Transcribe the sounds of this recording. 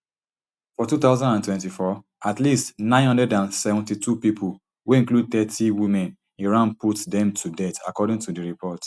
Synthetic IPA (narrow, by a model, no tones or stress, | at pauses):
fɔtuθaʊzãndãntwɛ̃ntifɔ | atlistnãɪ̃nhʌ̃ndɛdãnsɛvɔ̃ntitupipʰul | weĩŋklud̚t̪ɛtʰiwimɛ̃n | iɹãnputdɛ̃mtʰudɛtakɔdĩŋtudiɹipʰɔt